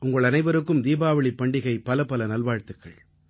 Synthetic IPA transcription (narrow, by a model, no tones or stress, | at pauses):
ʔʊŋɡɐɭɐnɐɪʋɐɾɯkːɯmd̪iːbaːʋɐɭɪpːɐɳɖɪɣɐɪpːɐlɐpɐlɐnɐlʋaːɻt̪ːɯkːɐ̰ɭ